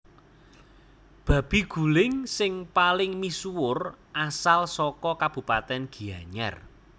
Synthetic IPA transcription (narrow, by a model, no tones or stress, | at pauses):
b̥ä̤b̥i̤ɡ̥ṳlɪŋsɪŋpalɪŋmisuwʊrʔasalsɔkɔkab̥ṳpat̪ɛnɡ̥i̤aɲɛ̰r